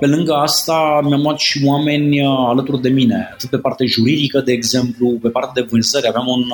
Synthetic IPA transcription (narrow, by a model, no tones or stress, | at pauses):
pe̞lɨŋɡəast̪amʲjamuat̪ʃiwame̞nʲalət̪urd̪e̞mine̞a̰t̪ɨt̪̚pe̞part̪e̞ʒuɾid̪ikəd̪e̞ːɡze̞mplupe̞part̪ed̪e̞vɨnzəɾʲaveamun